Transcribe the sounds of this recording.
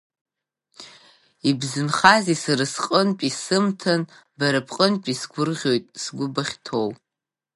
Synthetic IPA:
ibzɨnχazisaɾɨsqʼənpʼisɨmtʰan | baɾapʰqʼənpʼisɡʷʊrʁʲo̞jtʼsɡʷʊbaχʲtʰow

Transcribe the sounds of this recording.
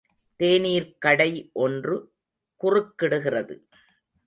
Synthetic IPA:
t̪eːniːɾkɐɽɐɪʔɔndrɯ | kʊrɯkːɪɽɯɣɪrɐðɯ̰

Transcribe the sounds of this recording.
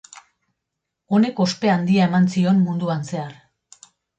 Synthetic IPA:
o̞ne̞kospe̞and̪iae̞mansio̞nmund̪uanse̞aɾ

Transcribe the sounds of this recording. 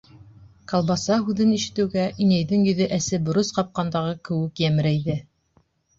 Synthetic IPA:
kɑlˠbɑsɑɦʉðɘniʃɘ̆t̪ɘ̆wɡæʔinæjðɘŋjɵ̆ðɘʔæsɘbŏɾɤsqɑp̚qɑnd̪ɑʁɤkɘ̆wɘkjæmɘ̆ɾæjðɘ

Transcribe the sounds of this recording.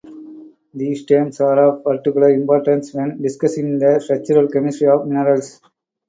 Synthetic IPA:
d̪iːsʈẽːmsaːɾɔːʋpɐɾʈɪkjʊlɐɾɪ̃mpɔːɾʈə̃nsʋɛ̃nɖɪskʌsɪ̃ŋnd̪ɐfɾɛt͡ʃuɾɐlkɛmɪsɾiɔːʋmɪnəɾɐls

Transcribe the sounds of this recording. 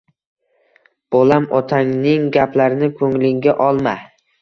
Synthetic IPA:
b̥olamɒt̪ʰaŋnɪŋɡʲaplaɾɪnɪkʰɵŋlɪŋɡʲaʔɒlˠma

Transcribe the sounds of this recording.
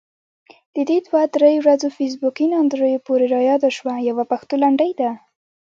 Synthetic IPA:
d̪̥əd̪ed̪wad̪ɾejowɾazofes̬bukinɑnd̪ɾəjopoɾeɾɑjɑd̪aʃwajawapaxt̪olaɳɖəjd̪a

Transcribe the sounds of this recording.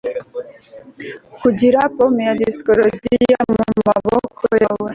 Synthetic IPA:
kud͡ʒiɾapɔmjadisi̥kɔlɔd͡ʒiiamumumabɔkʰɔjawa

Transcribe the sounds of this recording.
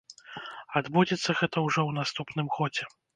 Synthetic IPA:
ad̪bud͡zʲɛt̪sːɐɣɛt̪ɐwʐɔwnast̪upnɨmɣɔd͡zʲɛ

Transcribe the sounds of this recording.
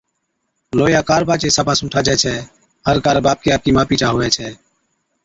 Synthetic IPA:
loːjaːkaːɾbʱaːt͡ʃeːsaːpaːsʊ̃ːʈʰaːd͡ʒɛːt͡ʃʰɛː | ɦəɾkaːɾbaːp̚kiːaːp̚kiːmaːpiːt͡ʃaːɦoːʋɛːt͡ʃʰɛː

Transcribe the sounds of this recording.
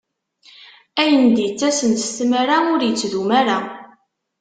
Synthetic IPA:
æjənd̪jət͡sːæsənt̪st̪mæɾaʊɾjət͡sːðumæɾa

